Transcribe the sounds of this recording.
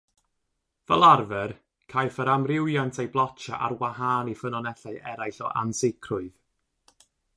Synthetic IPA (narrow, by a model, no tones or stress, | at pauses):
vɛlˠarvɛr | kʰajfəɾamrɪwjantʰejblˠɔt͡ʃa̰ʔa̰rwaɦaːnifənɔnɛɬaɨʔɛɾajɬɔ̰ʔa̰nsɪkʰrʊɨð̥